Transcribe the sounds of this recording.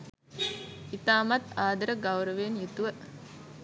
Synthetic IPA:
it̪aːmat̪aːd̪əɾəɡawɾəʋeːnjut̪uʋə

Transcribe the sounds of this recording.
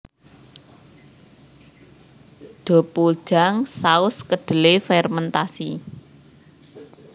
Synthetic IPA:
d̪̥o̤pu̥ʒ̥a̤ŋsaʊskəɖ̪̥ə̤lefɛrmənt̪asi

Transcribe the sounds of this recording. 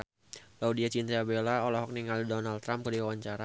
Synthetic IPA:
laudiat͡ʃint̪aabelaolaɦɔk̚niŋaldonalt̪ːɾamkədiwawaɲt͡ʃaɾa

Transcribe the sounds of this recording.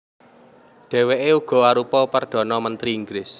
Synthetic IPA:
ɖ̪̥ɛ̤weʔeuɡ̥ɔ̤aɾupɔpərd̪̥ɔ̤nɔmənt̪ɾiiŋɡɾɪs

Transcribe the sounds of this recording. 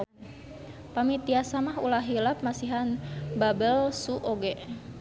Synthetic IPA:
pamit̪iasamaɦṵlaɦilap̚masiɦanbabəlsuʔoɡɛʔ

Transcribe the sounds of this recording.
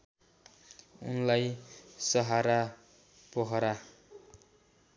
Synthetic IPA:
ṵnlajsʌɦaɾa | pʌɦʌɾa

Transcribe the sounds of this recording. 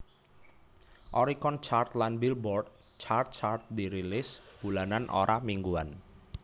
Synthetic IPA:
ʔɔɾikɔnt͡ʃart̪lanbilbɔrd̪̚ | t͡ʃart̪̚t͡ʃart̪̚d̪iɾilɪsb̥ulananʔo̰ɾʔamiŋɡuan

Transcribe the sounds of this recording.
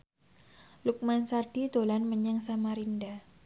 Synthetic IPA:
luk̚mansarɖ̥it̪olanməɲəŋsamaɾinda

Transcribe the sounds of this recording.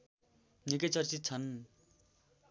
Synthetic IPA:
nikʌt͡sʌrt͡sit̪̚t͡sʰʌn

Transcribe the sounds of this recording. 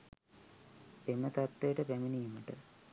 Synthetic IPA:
emət̪at̪ːejəʈəpæminijməʈə

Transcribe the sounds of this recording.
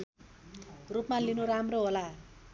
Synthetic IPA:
rupmalinuɾamroɦola

